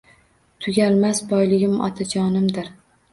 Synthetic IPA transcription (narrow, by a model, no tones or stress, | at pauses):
t̪ʰʊɡʲalmasbɒjlɪɡʲɪmɒ̰t̪ʰad͡ʒɒnɪmd̪ɪɾ